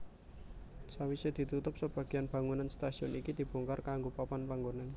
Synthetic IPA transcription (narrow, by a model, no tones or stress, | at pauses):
sawised̪̥i̤t̪ut̪ʊp̚səb̥a̤ɡ̥i̤janb̥a̤ŋunanst̪asiɔnikid̪̥i̤b̥o̤ŋkarkaŋɡopapanpaŋɡonan